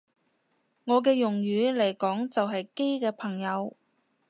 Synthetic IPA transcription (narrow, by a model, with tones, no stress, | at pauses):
ŋɔː˨˧k̬ɛː˧jʊ˨˩ŋɥyː˨˧le˨˩jkɔː˨˥ŋt͡sɐ˨wɦɐ˨jke˥jkɛː˧pʰɐ˨˩ŋjɐ˨˧w